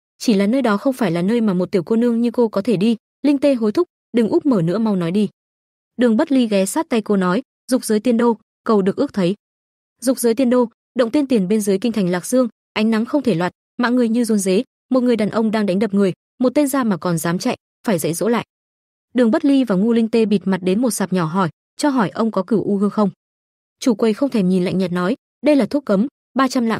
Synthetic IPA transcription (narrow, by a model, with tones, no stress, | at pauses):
t͡ɕi˧˩laː˨˩nəː˧jɗɔ˨˦xə˧wŋ͡mfaː˧˩jlaː˨˩nəː˧jmaː˨˩mo˨˩t̚t̪i˧˩əwko˧nɨ˧əŋɲɨ˧ko˧kɔ˨˦t̪ʰe˧˩ɗi˧ | lï˧ŋt̪e˧ɦo˨˦jt̪ʰʊ˦˥k͡p̚ | ɗɨ˨˩ŋʔʊ˦˥k͡p̚məː˧˩nɨ̰˧˥əma˧wnɔ˨˦jɗi˧ | ɗɨ˨˩əŋɓə˦˥t̚li˧ɣɛ˨˦saː˦˥t̚t̪a˧jko˧nɔ˨˦j | zʊ˨˩k͡p̚zəː˨˦jt̪i˧ənɗo˧ | kə˨˩wɗɨ˨˩ək̚ɨ˦˥ək̚t̪ʰə˨˦j | zʊ˨˩k͡p̚zəː˨˦jt̪i˧ənɗo˧ | ɗə̰˧˨ŋ͡mt̪i˧nt̪i˨˩nɓe˧nzə˨˦jki˧ŋt̪ʰa˨˩jŋ̟laː˨˩k̚z̥ɨ˧əŋ | ʔa˨˦jŋ̟na˨˦ŋxə˧wŋ͡mt̪ʰe˧˩lwaː˨˩t̚ | ma̰ː˧˨ŋɨ˨˩əjɲɨ˧zu˨˦nze˨˦ | mo˨˩t̚ŋɨ˨˩əjɗaː˨˩nʔə˧wŋ͡mɗaː˧ŋɗa˨˦ŋ̟ɗə˨˩p̚ŋɨ˨˩əj | mo˨˩t̚t̪e˧nzaː˧maː˨˩kɔ˨˩nzaː˨˦mt͡ɕa̰˧˨jʔ | faː˧˩jzə̰˧˥jzo̰˧˥la̰ː˧˨j | ɗɨ˨˩əŋɓə˦˥t̚li˧vaː˨˩ŋu˧lï˧ŋt̪e˧ɓi˨˩t̚ma˨˩t̚ɗe˨˦nmo˨˩t̚saː˨˩p̚ɲɔ˧˩ɦɔ˧˩j | t͡ɕɔ˧ɦɔ˧˩jʔə˧wŋ͡mkɔ˨˦kɨ˧˩əwʔu˧ɦɨː˧əŋxə˧wŋ͡m | t͡ɕu˧˩kwə˨˩jxə˧wŋ͡mt̪ʰe˧˩ɲi˨˩nla̰˧˨jŋ̟ɲə˨˩t̚nɔ˨˦j | ɗə˧jlaː˨˩t̪ʰu˦˥ək̚kə˨˦m | ɓaː˧t͡ɕa˧mla̰ː˧˨